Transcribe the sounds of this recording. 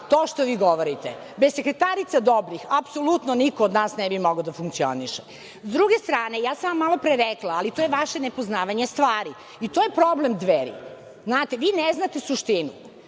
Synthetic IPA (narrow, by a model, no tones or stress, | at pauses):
t̪oːʃt̪oʋiːɡo̞ʋoɾit̪e | bezsekɾet̪aɾit̪sad̪obɾixapsolut̪nonikoːd̪naːsnɛbimoɡad̪afuŋk̚tsio̰niʃe | zd̪ɾuɡest̪ɾaːne̞jaːsanʋamːalo̞pɾeɾɛklaːlit̪ojeʋaʃenepoznaːʋaɲest̪ʋaːɾi | it̪ojepɾoblemd̪ʋeɾḭ | znaːt̪eʋiːneznat̪esuʃt̪inṵ